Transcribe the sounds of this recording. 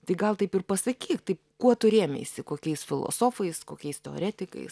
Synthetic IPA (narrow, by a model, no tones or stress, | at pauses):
t̪ɐɪɡɐlˠt̪ɐɪpɪrpɐsɐkʲiːkt̪ɐɪpkuɔt̪ʊɾʲeːmʲḛːɪsʲɪkoːkʲɛɪsfʲɪlˠo̰ːsoːfɐɪskoːkʲɛɪst̪ʲɛo̰ɾʲæːt̪ʲɪkɐ̰ɪs